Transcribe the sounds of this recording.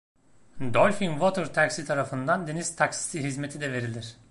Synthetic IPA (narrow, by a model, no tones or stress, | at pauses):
d̪olʲfinvot̪ɯɾt̪ʰaksit̪ʰaɾafɯnd̪and̪eniz̥t̪ʰaksi̥siɦizmet̪ʰid̪ɛve̞ɾilʲiɾ̥